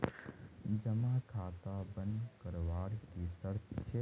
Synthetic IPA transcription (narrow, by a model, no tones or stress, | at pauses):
d͡ʒəmãkʰaːt̪abənd̪kəɾʋaːɽk̪isəɾt̪ʰt͡ʃʰe